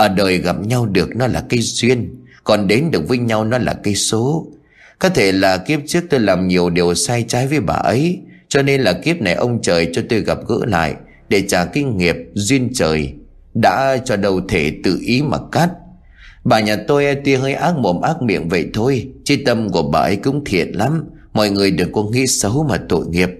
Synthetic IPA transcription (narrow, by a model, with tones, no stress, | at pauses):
ʔəː˧˩ɗəː˨˩jɣa˨˩p̚ɲa˧wɗɨ˨˩ək̚nɔ˨˦laː˨˩kə˧jzwi˧ən | kɔ˨˩nɗe˨˦nɗɨ˨˩ək̚vəː˨˦jɲa˧wnɔ˨˦la̰ː˨˩kə˨˧jso˨˦ | kɔ˨˦t̪ʰe˧˩laː˨˩ki˦˥əp̚t͡ɕɨ˦˥ək̚t̪o˧jlaː˨˩mɲi˨˩əwɗi˨˩əwsaː˧jt͡ɕaː˨˦jvəː˨˦jɓa̰ː˨˩ʔə˨˦jt͡ɕɔ˧ne˧nlaː˨˩ki˦˥əp̚na˨˩jʔə˧wŋ͡mt͡ɕəː˨˩jt͡ɕɔ˧t̪o˧jɣa˨˩p̚ɣɨ̰˧˥la̰ː˧˨j | ɗe˧˩t͡ɕaː˧˩ki˨˦ŋŋi˨˩əp̚zwi˧ənt͡ɕəː˨˩j | ɗa̰ː˧˥t͡ɕɔ˧ɗə˨˩wt̪ʰe˧˩t̪ɨ̰˧˨ʔi˨˦ma̰˨˩t̚ka˦˥t̚ | ɓaː˨˩ɲaː˨˩t̪o˧jʔt̪wi˧əɦəː˧jʔaː˦˥k̚mo˨˩mʔaː˦˥k̚mḭ˧˨ənvə̰˧˨jt̪ʰo˧jt͡ɕi˧t̪ə˧mku˧˩əɓaː˨˩ʔə˨˦jkʊ̰˧˥ŋ͡mt̪ʰḭ˧˨ənla˨˦m | mɔ̰˧˨jŋɨ˨˩əjɗɨ˨˩əkːɔ˨˦ŋḭ˧˥sə˨˦wmaː˨˩t̪o̰˧˨jŋi˨˩əp̚